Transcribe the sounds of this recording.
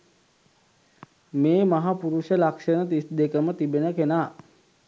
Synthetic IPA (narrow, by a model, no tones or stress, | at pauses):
meːmaɦapuɾuʃəlakʂənət̪isd̪ekəmət̪ibenəkena